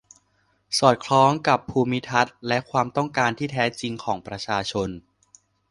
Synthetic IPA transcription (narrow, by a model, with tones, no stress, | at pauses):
sɔː˨˩t̪̚kʰlɔː˦˥ŋka˨˩pʰːuː˧mi˦˥t̪ʰa˦˥t̪̚lɛ˦˥kʰwaː˧mt̪ɔ˥˩ŋkaː˧nt̪ʰiː˥˩t̪ʰɛː˦˥t͡ɕi˧ŋkʰɔː˩˦ŋpɾa˧t͡ɕʰaː˧t͡ɕʰo˧n